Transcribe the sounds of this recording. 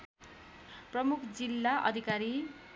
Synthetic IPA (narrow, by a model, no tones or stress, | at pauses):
prʌmukʰd͡zilːaʔʌ̰d̪ʱikaɾi